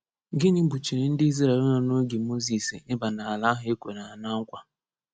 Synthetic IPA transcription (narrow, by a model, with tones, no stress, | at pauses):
ɡɪ˦nɪ˦bu˨t͡ʃi˨ɾɪ˨n̩˦di˦zi˦ɾe˨˦nɔ˨no˦ɡi˨mo˦zi˨si˨ɪ˦ba˨na˨a˨la˦ɦʊ˨˦e˦kʷe˨ɾa˨a˨na˦ŋ̩˦kʷa˦